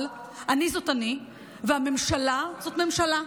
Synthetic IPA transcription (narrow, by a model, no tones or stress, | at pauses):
l | ʔanizo̞tani | veame̞mʃalazo̞tme̞mʃala